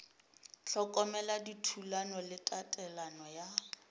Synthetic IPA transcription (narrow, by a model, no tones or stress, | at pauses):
ɬɔkʼɔmɛladitʰulanɔlɪtʼatʼɛlanɔja